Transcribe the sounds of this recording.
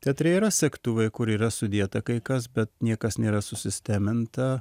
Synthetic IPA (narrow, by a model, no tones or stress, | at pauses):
t̪ʲɛt̪ʲɾʲɛiɾɐsʲɛkt̪uːʋɐɪkʊɾiːɾɐsʊd̪ʲiɛt̪ɐkɐɪkɐs̬bʲɛt̪nʲiɛkɐsnʲeːɾɐsʊsʲɪsʲt̪ʲæːmʲɪnt̪ɐ